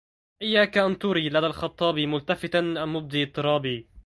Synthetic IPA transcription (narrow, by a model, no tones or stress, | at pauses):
ʔɪjːaːkaʔant̪ʊɾiːlad̪aːlxɑt̪ˤːɑːbimʊlt̪afɪt̪anʔanːʊb̚d̪iːt̪ˤːɨɾˤɑːbiː